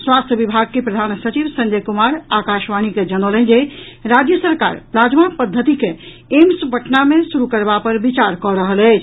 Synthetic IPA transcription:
swast̪ʰəbibʱaɡ̚kepɾəd̪ʱansət͡ʃiʋsə̃nd͡ʒəjkumaɾakaʃʋañiked͡ʒənələnd͡ʒe | ɾad͡ʒjəsəɾka̰ɾpɾad͡ʒmapəd̪ʱːət̪ike | emsuɡʱəʈʰnamesuɾukəɾbapəɾbit͡ʃaɾkɔɾəɦəlɛɪt͡ʃʰ

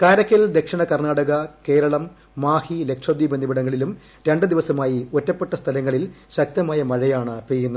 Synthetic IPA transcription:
kaːɾɐkʲːɐld̪e̞kʂɐɳɐkɐrnaːɽɐɣɐke̞ːɾɐɭɐmː | aːhile̞kʂɐd̪jibɐnd̪ʱibiɽɐŋːɐɭilum | ɾe̞ɳɖɨd̪iʋɐsɐmaːjiotːɐpːe̞ʈːɐst̪ʰɐlɐŋːɐɭilɕɐk̚t̪ɐmaːjɐmɐɻɐjaːɳɨpeːjunːɐ

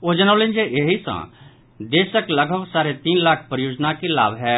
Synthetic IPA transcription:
od͡ʒənawlend͡ʒeʔeɦisã̰ | d̪eːsəkləɡʱəbsaːɾet̪iːnlaːkʰpɾəjoːd͡ʒnakela̰ːbɦɛː

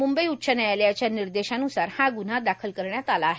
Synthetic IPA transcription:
mumbəiut̪ːɕʰənajaljat͡ɕjaniɾd̪eɕanusaɾhãɡun̤ad̪akʰəlkəɾɳjat̪alaːɦe

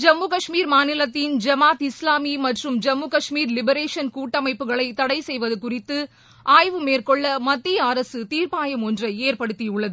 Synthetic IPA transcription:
d͡ʒɐmːukɐʂmiːɾmaːnɪlɐt̪ːɪnd͡ʒɐmaːt̪ɪslaːmimɐʈrɯmd͡ʒɐmːukɐʂmiːɾlɪbɐɾeːʂɐnkuːʈːɐmɐɪpːɯɣɐɭɐɪt̪ːɐɽɐɪsɛjʋɐðɯkʊrɪt̪ːɯ | ʔaːjʋɯmeːrkɔɭːɐmɐd̪ːiaːɾɐsɯt̪iːɾpaːjɐmɔndrɐeːɾpɐɽɯt̪ːiʊɭːɐðɯ

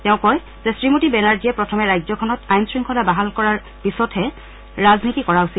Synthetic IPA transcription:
tɛʊ̃kɔj | zɛsɹimotibɛnaɹdiɛpɹɔtʰɔmɛɹajzɔkʰɔnɔtajnsɹiŋkʰɔdabaɦalkɔɹaɹ | pisɔtʰhɛ | ɹaznitikɔɹaʊsil

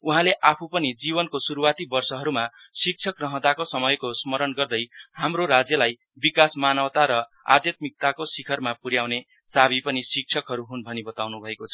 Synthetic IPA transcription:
uɦãleʔapʰupʌnid͡zibʌnkosuɾuwat̪ibʌrsʌɦʌɾuma | sik̚t͡sʰʌkrʌɦʌ̃d̪akosʌmʌjkosmʌɾʌnɡʌrd̪ʌjhamroɾad͡zjʌlaj | bikasmanʌwt̪aɾʌ | a̰d̪jʌt̪̚mik̚t̪akosikʰʌrmapuɾjawne | sabʱipʌnisik̚t͡sʰʌkɦʌɾuɦunbʱʌnibʌt̪awnubʱʌekot͡sʰʌ

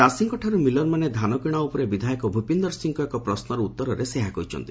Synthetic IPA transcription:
asiŋkɔʈʰaɾumilɔɾmaned̪ʱanɔkɾiɽ̃aupɔɾebid̪ʱajkɔbʱupind̪ɔɾsiŋkɔekɔpɾɔsnɔɾɔut̪ːɔɾɔɾeseɦakɔit͡ʃʰɔ̰nt̪i̥

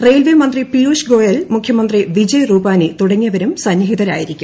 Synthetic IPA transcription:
rejlʋimɐnd̪ripijuːʂɡo̞ːjɐlmukʰjɐmɐnd̪riʋid͡ʑɐjruːbaːnɨt̪uɽɐŋːɐʋɐɾumsɐnjɐɦid̪ɐɾa̰ːjiɾikʲːu

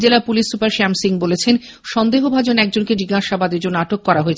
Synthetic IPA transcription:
d͡ʑelapulisːupaɾʃɛmsiŋbolet͡ɕʰen | ʃɔnd̪eɦobʱad͡ʑonɛk̚d͡ʑonked͡ʑiɡaʃabad̪ed͡ʑonaʈokːɔɾaɦoet͡ɕʰ

